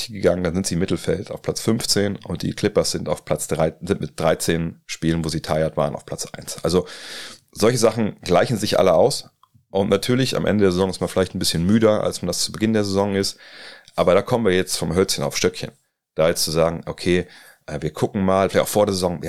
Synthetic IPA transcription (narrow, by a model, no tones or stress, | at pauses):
tʰiɡəɡaŋənd̥anzɪntz̥iːɪmːɪtl̩fɛltaʊfpʰl̥at͡sfʏnft͡seːnʔʊnt̚d̥ḭːkʰl̥ɪpɐsz̥ɪntaʊfpʰl̥at͡sd̥ʁaɪzɪntmɪt̚d̥ʁaɪt͡seːnʃpiːlənvoːziːtʰaɪɐtv̥a̰ːʁənʔaʊfpʰlat͡sʔa̰ɪnsʔa̰lzo | zɔlçəzaχn̩ɡ̥laɪçn̩zɪçʔa̰ləʔa̰ʊs | ʔʊntnatʰyːɐlɪça̰mʔɛ̰ndədeːɐzezɔŋɪstmanfɪlaɪçtn̩bɪsçənmyːdɐʔa̰lsmandast͡subəɡɪndeːɐzezɔŋɪstʔaːbɐɾaːkʰɔmənviːɐjɛt͡stfɔmɦœlt͡sçəna̰ʊfʃtœkçə̰n | d̥aːjɛt͡st͡suzaːɡŋ̩ʔokʰeː | ʔɛːviːɐkʰʊkŋ̩maːlfɪlaçtaʊfoːdeːɐzezɔŋ